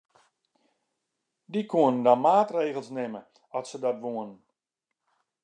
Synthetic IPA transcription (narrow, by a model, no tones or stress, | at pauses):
dikʰuənəndɔnmaːtreːɣəlˠsnɪmə | ɔtsədɔtʋoənən